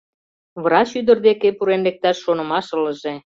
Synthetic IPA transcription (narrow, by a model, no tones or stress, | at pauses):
βəɾɑɕyd̪ə̆rd̪ekepuɾenlek̚t̪ɑʃːonə̆mɑʃələ̆ʒe